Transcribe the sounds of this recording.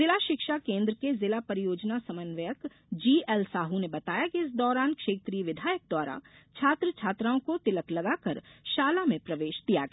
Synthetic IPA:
zɪlaʃɪkʃakẽːnd̪ɾəkezɪlapɐɾijoːd͡ʒnasɐmənʋəjək | d͡ʒiːɛlsaːɦunebɐt̪aːjakiɪsd̪ɔːɾaːnkʃeːt̪ɾiəʋɪd̪ʱaːjək̚d̪waːɾa̰t͡ʃʰaːt̪ɾət͡ʃʰaːt̪ɾaːõkot̪ɪləklɐɡaːkɐɾʃaːlamẽpɾɐʋeːʃd̪ijaɡ

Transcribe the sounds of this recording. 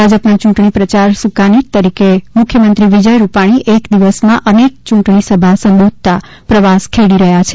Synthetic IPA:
bʱad͡ʒəpnat͡ʃũʈɳiʈpɾət͡ʃaɾsukaniʈ̚t̪əɾikemʊkʰjəmənt̪ɾiʋid͡ʒəjɾupaɽ̃iʔekd̪iʋəsmãʔənek̚t͡ʃũʈɳisəbʱasəmbod̪̚ʱt̪a | pɾəʋaskʰeɽiɾəɦjat͡ʃʰe

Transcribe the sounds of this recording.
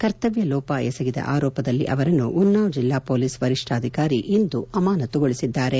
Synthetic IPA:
kɐɾt̪ɐʋjɐlɔːpɐɛsɐɡid̪ɐ̰ʔaːɾɔːpɐd̪ɐlːḭʔɐʋɐɾɐnːuʔunːaːʋd͡ʒilːaːpoːliːsʋɐɾiʂʈʰaːd̪ʱikaːɾiʔind̪uɐmaːnɐt̪ɔɡoɭisid̪ːaːɾe̞

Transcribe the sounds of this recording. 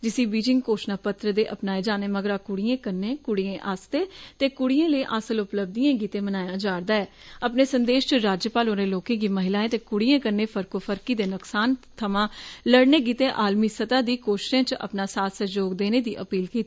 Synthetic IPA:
d͡ʒɪsĩːbiːd͡ʒɪ̃ŋɡkoːʃnaːpət̪ɾəd̪eːʔəpnaːeːd͡ʒaːneːməɡəɾaːkʊɽijẽːkəɾnẽːkʊɽijẽːʔaːst̪eːt̪eːkʊɽijẽːləiːʔaːsəlʊpləb̚d̪ijẽːɡiːt̪ẽːmənaːjãːd͡ʒaːɽd̪aːɛː | əpneːsənd̪eːʃt͡ʃəɾaːd͡ʒjəpaːloːnẽːloːkẽːɡiːməɦɪlaːẽːt̪eːkʊɽiẽːkəɾneːpʰəɾkoːpʰəɾkiːd̪eːnʊksaːnt̪ʰəmãːləɽneːɡiːt̪ẽːʔaːlmiːsət̪ãːd̪iːkoːʃɪ̥ʃẽːt͡ʃʔə̰pnaːsaːt̪səd͡ʒoːɡd̪eːneːd̪iːʔəpiːlkiːt̪e

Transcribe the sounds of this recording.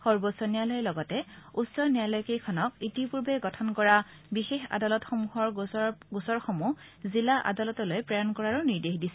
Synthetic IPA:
xɔɹbosɔnijalɔjɛlɔɡɔtɛusɔnijalɔjkejkʰɔnɔkitipuɹbɛɡɔtʰɔnkɔɹa | bixexa̰dalɔtxɔmuɦɔɹɡusɔɹxomu | zilaʔa̰dalɔtɔlojpɹajɔnkɔɹaɹuniɹdexdisɛ̥

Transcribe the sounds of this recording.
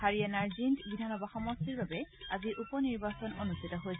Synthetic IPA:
haɹiɛnaɹzintbidʱanɔbaxɔmɔstiɹbabɛaziʔupɔniɹbasɔnonustʰitɔɦojs

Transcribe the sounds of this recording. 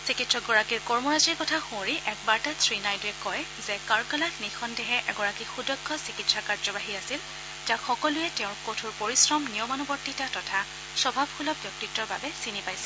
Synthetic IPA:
sikitsɔɡɔɹakiɹkɔɹmɔɹaziɹkɔtʰaxũɹiʔɛk̚baɹtasɹinajduɛkɔj | zɛkaɹkalaxnixʰɔndɛɦɛʔɛɡɔɹakixudɔɡʰʱːɔsikitsakaɹzɔbaɦiasil | takxɔkɔlʊjɛtɛʊ̃ɹkotʰuɹpoɹisɹɔmniɔmanubɔɹtitatɔtʰa | sɔbʱabxulɔb̚bjɔk̚titːɔɹbabɛsinipajsɛ̥

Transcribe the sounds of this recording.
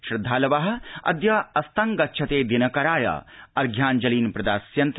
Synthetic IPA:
ʃɾɪd̪ʱːaːlɐʋaːɦɐ̆ɐ̰d̪jɐɐst̪ɐŋɡɐʃʰɐt̪eːd̪inɐkɐɾaːjɐ̰ɐɾɡʱjaːnd͡ʒɐliːnpɾɐd̪aːsjɐnt̪

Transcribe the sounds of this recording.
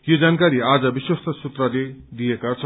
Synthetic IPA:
jod͡zankaɾiad͡zʌbiswʌst̪ʌsut̪rʌled̪ijekat͡sʰʌ

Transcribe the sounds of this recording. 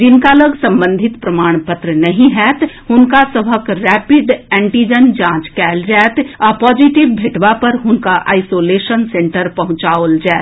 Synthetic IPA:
d͡ʒɪnkaləɡsɐ̃mbə̃nd̪ʱɪt̪pɾɐmaːɽ̃pət̪ɾənɐɦĩɦɛːt̪ɦʊnkasɐbʱəkɾɛːpɪd̪ɛ̃ːɳʈiːd͡ʒənd͡ʒãːt͡ʃkɛːld͡ʒɛːt̪ɔːpɔːd͡ʒiʈɪʋbʱeʈʋapɐɾɦʊnkaʔa̰ːɪsoːleːʃənsẽɳʈəɾpɐɦʊ̃t͡ʃaːold͡ʒaːt̪

